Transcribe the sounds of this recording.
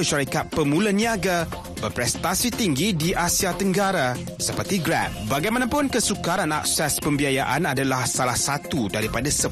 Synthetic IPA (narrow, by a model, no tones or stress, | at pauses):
əʃaɾikat̪̚pəmũləniaɡa | bərpɾɛst̪asit̪iŋɡidiʔasiat̪əŋɡaɾa | səpərt̪iɡɾɛ̰p̚baɡajmãnãpʊnkəsukaɾana̰k̚sɛspəmbiajaʔanadalahsalahsat̪udaɾipadasə